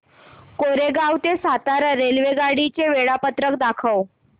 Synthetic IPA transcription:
koɾeɡawt̪esat̪aɾəɾelʋeɡaɽit͡ɕeʋeɭapət̪ɾəkd̪akʰəw

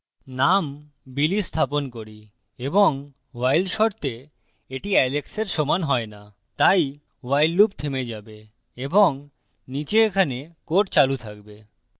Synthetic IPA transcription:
nam | bilist̪ʰaponkoɾi | eboŋ | wajlʃoɾt̪e | eʈiɛlekseɾʃomanɦɔena | t̪aj | wajlːup̚t̪ʰemed͡ʑabe | eboŋ | nit͡ɕeekʰanekoʈ̚t͡ɕalut̪ʰakbe

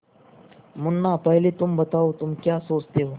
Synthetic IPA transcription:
mʊnːapəɦlet̪ʊmbət̪aot̪ʊmkjasoːt͡ʃt̪eɦo

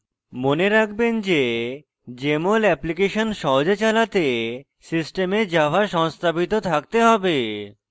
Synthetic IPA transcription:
moneɾakʰbend͡ʑe | d͡ʑemolɛplikeʃonʃɔɦod͡ʑet͡ɕalat̪e | sisʈemed͡ʑabʱaʃɔŋst̪ʰabit̪ot̪ʰak̚t̪eɦɔbe

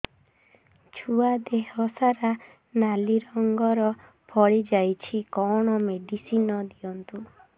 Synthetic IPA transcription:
t͡ʃʰuad̪eɦɔsaɾa | naliɾɔŋɡɔɾɔ | pʰɔɭid͡ʒajt͡ʃʰikɔɽ̃ɔmeɖisinɔd̪iɔnt̪u

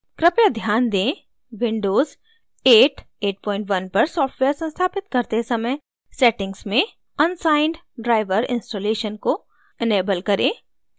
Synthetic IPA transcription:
kɾɪpjad̪ʱjaːnd̪ẽː | ʋɪ̃ɳɖoːz | eːʈ | eːʈ̚pɔːɪ̃ɳʈʋɐnpɐɾsɔːfʈʋeːəɾsɐ̃nst̪ʰaːpɪt̪kɐɾt̪esɐməj | sɛːʈɪ̃ŋɡsmẽ | ɐnsaːɪɳɖ | ɖɾaːɪʋəɾɪ̰̃nsʈoːleːʃənko | eneːbəlkɐɾẽː

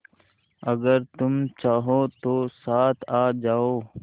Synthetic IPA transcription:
ɐɡəɾt̪ʊmt͡ʃaːɦoːt̪oːsaːt̪ʰaːd͡ʒaːoː

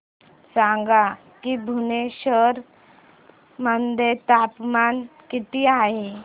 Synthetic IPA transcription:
sãŋɡa | kibʱuneɕəɾ | mənd̪et̪apmankit̪iaɦe

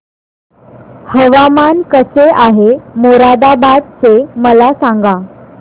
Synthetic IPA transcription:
həʋamankəseʔaɦemoɾad̪abad̪̚t͡seməlasãŋɡa

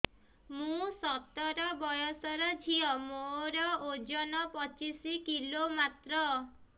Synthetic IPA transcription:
mũsɔt̪ɔɾɔbɔjɔsɔɾɔd͡ʒʱiɔmoɾɔod͡ʒɔnɔpɔt͡ʃisikilomat̪ɾɔ

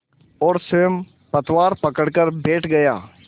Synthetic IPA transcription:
ɔːɾsem | pɐt̪waːɾpɐkəɽkəɾbeːʈʰɡɐjaː

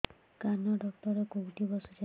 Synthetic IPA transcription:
kanɔɖɔkt̪ɔɾekoɦʈibɔsɔd͡ʒa

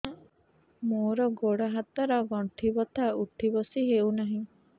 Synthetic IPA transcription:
moɾɔɡoɽaɦat̪aɾɔɡɔɳʈʰibɔt̪ʰauʈʰibɔsiɦewnaɦĩ

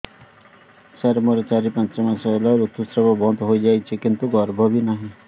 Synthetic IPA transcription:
saɾmoɾɔt͡ʃaɾipãntɔmasalaɾuk̚t̪usɾɔbɔbɔnt̪ɦojd͡ʒajt͡ʃʰekint̪uɡɔɾbʱɔbinaɦĩ

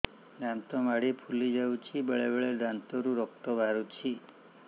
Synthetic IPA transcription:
d̪ant̪ɔmaɽipʰulid͡ʒawt͡ʃʰibəɭebeɭed̪ant̪ɔɾuɾɔk̚t̪ɔbʱaɾut͡ʃʰi

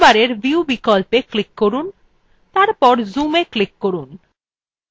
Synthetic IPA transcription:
baɾeɾbʱiubikɔlpeklikːoɾun | t̪aɾpɔɾzumeklikːoɾun

